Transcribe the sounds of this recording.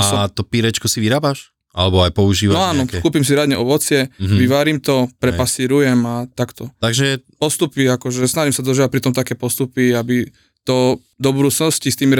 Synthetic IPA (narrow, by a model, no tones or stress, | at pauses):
at̪ɔpiɾɛt͡ʃkɔsiʋiɾaːbaʃ | ʔa̰lɛbɔajpɔuʒiːʋanaːnɔkuːpimsiɾad̪ɲɛʔɔʋɔt͡sɪɛʋiʋaːɾimt̪ɔpɾɛpasiːɾujɛmat̪akt̪ɔt̪aɡʒɛpɔst̪upiakɔʒɛsnaʒimsad̪ɔʒiːʋac̚pɾit̪ɔmt̪akɛːpɔst̪upiabi | t̪ɔ | d̪ɔbud̪uːt͡snɔscist̪iːmiɾ